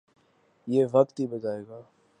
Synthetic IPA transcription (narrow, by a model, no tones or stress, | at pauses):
jeːʋəkt̪ɦibəd͡ʒaːeːɡaː